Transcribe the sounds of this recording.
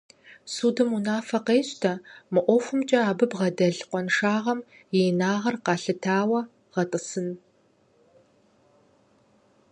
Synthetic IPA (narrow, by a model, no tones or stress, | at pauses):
suːdɨmunaːfɐqeːɕtʰɐmɨʔʷɔxʷʊmt͡ʃʼɐaːbɨbʁɐdɐɮqʷɔnʂaːʁɐm | jɛjnaːʁɐrqɑːɬɨtʰaːwɐ | ʁɐtʼɨsɨn